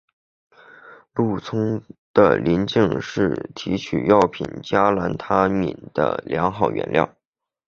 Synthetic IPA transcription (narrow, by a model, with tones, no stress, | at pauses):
lu˥˩t͡sʰʊ˥ŋd̪̥ə̰˧li˧˥nt͡ɕi˥˧ŋʂɻ̩˥˩t̪ʰi˧˥t͡ɕʰy̰˨˩jɑ˥˩ʊpʰḭ˨˩nt͡ɕja˥la˧˥nt̪ʰa˥mḭ˨˩nd̪̥ə̰˦ljɑ˧˥ŋxɑ˨˩ʊɥʔɛ̰˧˥nljɑ̰˥˩ʊ